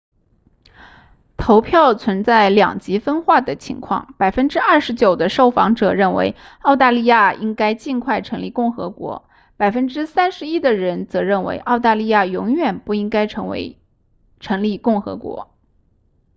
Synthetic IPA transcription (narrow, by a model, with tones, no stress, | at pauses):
t̪ʰo˧˥ʊpʰjɑ˥˩ʊt͡sʰwə˧˥nt͡sa˥˩ɪljɑ̰˨˩ŋt͡ɕi˧˥fə˥nxwa˥˩d̪ə˩t͡ɕʰḭ˧˥ŋkʰwɑ̰˥˩ŋpa˨˩ɪfə˥nʈ͡ʂɻ̩˥ɐ˞˥˩ʂɻ̩˧˥t͡ɕjo˨˩ʊd̪ə˦ʂo˥˩ʊfɑ̰˧˥ŋʈ͡ʂɤ˨˩ɻə˥˩nwḛ˧˥ɪɑ˥˧ʊt̪a˥˧li˥˧ja˥˩i˥ŋka˥ɪt͡ɕi˥˧nkʰwa˥˩ɪʈ͡ʂʰɤ˧˥ŋli˥˩kʊ˥˩ŋxɤ̰˧˥kwɔ̰˧˥ | pa˨˩ɪfə˥nʈ͡ʂɻ̩˥sa˥nʂɻ̩˧˥i˥d̪ə˨ɻə˧˥nt͡sɤ˧˥ɻə˥˩nwḛ˧˥ɪʔɑ˥˧ʊt̪a˥˧li˥˧ja˥˩jʊ˧˥ŋɥɛ˨˩npu˥˩i˥ŋka˥ɪʈ͡ʂʰɤ˧˥ŋwḛ˧˥ɪ | ʈ͡ʂʰɤ˧˥ŋli˥˩kʊ˥˩ŋxɤ̰˧˥kwɔ̰˧˥